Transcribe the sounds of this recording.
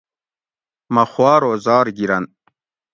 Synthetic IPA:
mɐxwɑːɾoːzɑːɾɡiɾɐn

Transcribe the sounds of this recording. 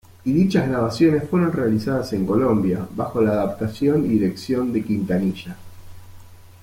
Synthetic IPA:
iðit͡ʃaznaβasjo̞ne̞sfweɾo̞nrealisað̞ase̞ŋko̞lo̞mbjaβaxo̞laːðap̚t̪asjo̞niðiɾe̞ksjo̞nd̪e̞kint̪aniʃa

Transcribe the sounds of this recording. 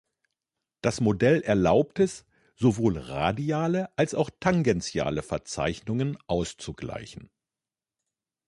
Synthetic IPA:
d̥asmodɛlʔɛɐlaʊp̚tɛs | z̥ovoːlʁa̰ːdiaːləʔalsaʊxtʰaŋɡɛnt͡sja̰ːləfɛɐt͡sa̰ɪçnʊŋənʔaʊst͡suɡla̰ɪçn̩

